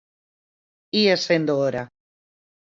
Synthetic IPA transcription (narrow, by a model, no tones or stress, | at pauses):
iesend̪ooɾa